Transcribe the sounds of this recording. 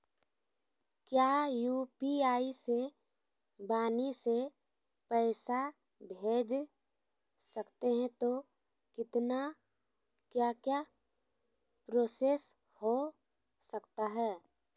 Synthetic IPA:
kjaːjuːpiaːise | baːnise | pɛːsa | bʱeːd͡ʒ | sɐkt̪eɦɛ̃t̪o | kɪt̪na | kjaːkja | pɾoːses | ho | sɐkt̪aɦɛː

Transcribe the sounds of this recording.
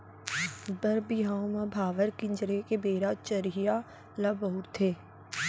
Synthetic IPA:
bəɾbɪɦaːõmãbʱaːʋəɾkɪ̃ɲd͡ʒɾekebeːɾat͡ʃəɾija | laboːʊɾt̪ʰeː

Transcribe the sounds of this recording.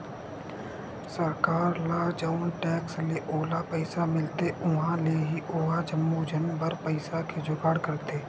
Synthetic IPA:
səɾkaːɾlaːd͡ʒəʊnʈɛːksleʔoːlapəɪsamɪlt̪eʔʊɦãleɦiʔoːɦad͡ʒəmːud͡ʒənbəɾpəɪsakʰed͡ʒʊɡaːɽkəɾt̪eː

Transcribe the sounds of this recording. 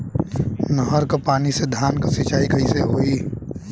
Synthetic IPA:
nəɦəɾkapaːnised̪ʱjaːnkasit͡ʃaːikʰɐiseɦoːiː

